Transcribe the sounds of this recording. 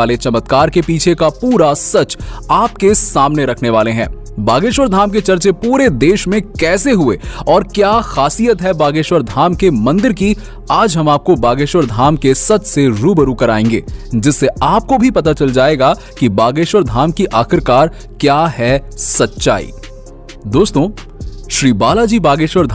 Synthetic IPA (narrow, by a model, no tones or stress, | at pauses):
aːlet͡ʃɐmət̪kaːɾkepiːt͡ʃʰekapuːɾasɐt͡ʃaːp̚kesaːmneɾɐkʰneʋaːleɦɛ̰̃ː | baːɡeːʃwəɾd̪ʱaːmket͡ʃɐɾt͡ʃepuːɾed̪eːʃmẽkɛːseɦʊḛɔːɾkjaːxaːsijət̪ɦɛbaːɡeːʃwəɾd̪ʱaːmkemɐ̃nd̪ɪɾki | aːd͡ʒɦɐmaːp̚kobaːɡeːʃwəɾd̪ʱaːmkesɐt̪seɾuːbəɾukɐɾaːẽːŋɡḛːd͡ʒɪsːeaːp̚kobʱipɐt̪at͡ʃɐld͡ʒaːeɡa | kibaːɡeːʃwəɾd̪ʱaːmkiʔaːxɪɾkaːɾ | kjaːɦɛsɐtːʃa̰ːḭː | d̪oːst̪õ | ʃɾiːbaːlad͡ʒiːbaːɡeːʃʋəɾd̪ʱ